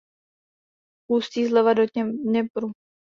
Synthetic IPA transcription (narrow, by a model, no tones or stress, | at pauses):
puːst̪iːzlɛvadoɛɲɛpɾu